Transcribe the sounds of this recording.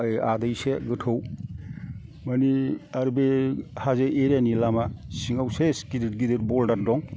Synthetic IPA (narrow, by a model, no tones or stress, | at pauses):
jadajseɡɯtʰɯw | maniaɾbehazeʔeɾanilamasiŋawseskidit̚ɡidɯɾ̚bɔldaɾdɔŋ